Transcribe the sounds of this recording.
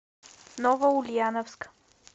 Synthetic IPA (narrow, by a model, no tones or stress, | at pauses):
nɔvəulʲianɔfskə̥